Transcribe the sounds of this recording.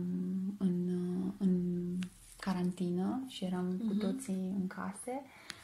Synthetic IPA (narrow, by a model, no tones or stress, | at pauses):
mɨnɨn | kaɾant̪inəʃije̞ɾamkut̪o̞tt̪siɨŋkʰa̰se̞